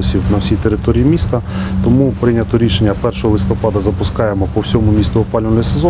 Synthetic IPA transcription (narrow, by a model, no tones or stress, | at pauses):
ɔsʲiwnɐwsʲijt̪eɾɪt̪ɔɾʲijimʲist̪ɐt̪ɔmupɾɪnʲɐt̪ɔɾʲiʃenʲːɐpɛrʃɔɦɔlˠɪst̪ɔpɑd̪ɐzɐpʊskɑjemɔpɔwsʲɔmʊmʲist̪ʊɔpɑlʲnɛsezɔ